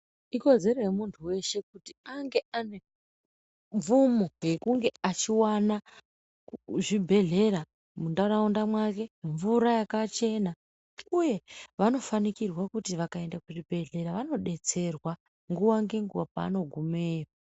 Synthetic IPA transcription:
iko̞ze̞ɾoɦemuntʰuwe̞ʃe̞kutiaŋɡe̞ane̞ | ɱvumoɡe̞kuŋɡe̞at͡ʃiwana | ʐibʱe̞ɮe̞ɾa | mundaɾaundamwake̞ɱvuɾajakat͡ʃe̞na | uje̞ʋano̞fanikirwakutiʋakae̞ndakuribʱe̞ɮe̞ɾaʋano̞ɗe̞t͡se̞rwa | ŋɡuwaŋɡe̞ŋɡuwapa̰ːno̞ɡʱumeːra

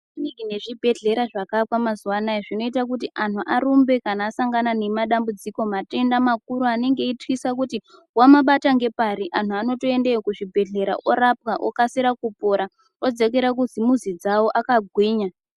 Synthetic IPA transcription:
iniŋɡine̞ʐibʱe̞ɮe̞ɾaʐakapwamazuwanaeʐino̞itak̬utiʔanuʔaɾumbe̞kanaːsaŋɡanane̞maɗambud͡ziko̞mate̞ndamak̚uɾuane̞ŋɡe̞itkisak̬uti | wamaɓataŋɡe̞paɾiʔan̤uano̞to̞e̞ndekuʐibʱe̞ɮe̞ɾa̰ʔoɾap̚kaʔo̰kasiɾakupo̞ɾa | o̞d͡ze̞k̬e̞ɾak̬uzimuzid͡zawo̞ʔakaɡʱwiːɲa

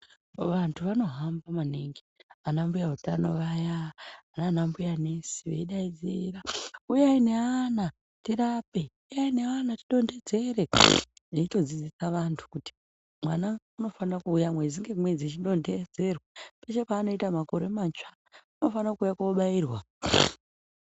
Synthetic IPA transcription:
ʋantʰuʋano̞ɦambamaneŋɡianambujautanoʋajaːnanambujane̞si̥ʋeiɗaid͡ziraujaine̞ana | tiɾape̞ujaine̞anatiɗo̞nde̞d͡ze̞ɾe̞ | eito̞d͡zid͡zisaʋantʰu̥kuti̥ | mwanauno̞fanakuːjamwed͡ziŋɡekumwed͡zit͡ʃiɗo̞nde̞d͡ze̞rwape̞t͡ʃe̞paːno̞itamako̞ɾomant͡ʃa | uno̞fanakuːjakoɓaiːrwa

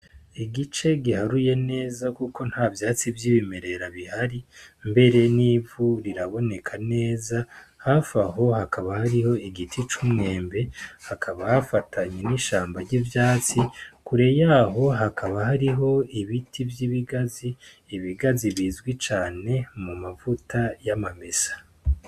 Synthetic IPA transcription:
iɡit͡ʃe̞ɡihaɾuje̞ne̞ːzakuko̞n̥haːvjaːt͡sivjiːβime̞ɾe̞ɾaβihaɾimbe̞ɾe̞niːvuɾiɾaβo̞ne̞kʰane̞ːzahafaɦo̞hakʰaβahaɾiho̞iɡitit͡ʃumŋe̞ːmbe̞hakʰaβahafatʰaɲeniʃaːmbaɾɟivjaːt͡sikuɾe̞jaːɦo̞ɦakʰaβaɦaɾiɦo̞iβitʰivjiβiɡaziː | βiɡaziβiːzɡwit͡ʃaːne̞mumavutajamamesḁ

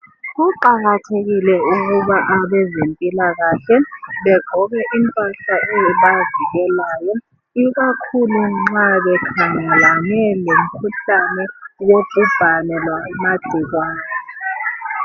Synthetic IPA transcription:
uǃaɣatʰeɣilɛuɣ̬uɓaʔaɓɛzempʼilaɣaɬɛɓɛɡ͡ǃ̥ʱɔɣɛʔimpʼaɬaɛɓaviɣɛlaːjɔ | iɣ̬akʰuluŋ͡ǁaɓɛkʰaŋɛlanɛlem̩kʰuɬanɛw̬ob̥ʱub̥ʱanɛlwamad̥ʱik̬waːnɛ

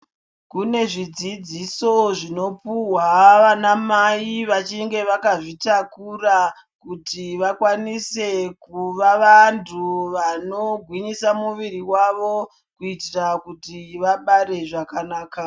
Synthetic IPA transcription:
kune̞ʐid͡zid͡ziso̞ʐino̞puwaʋanamaiʋat͡ʃiŋɡe̞ʋakaʐitakura | kutiʋakwanise̞kuʋaʋantʰuʋanoɡʱwiɲisamuʋiriwaʋo̞ | kuitirakutiʋaɓaɾe̞ʐakanaːka

